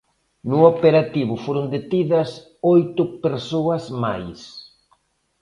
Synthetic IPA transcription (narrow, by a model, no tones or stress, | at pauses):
nʊopeɾat̪iβʊfoɾʊnd̪et̪iðɐs | ojt̪ʊpeɾsoɐsma̰js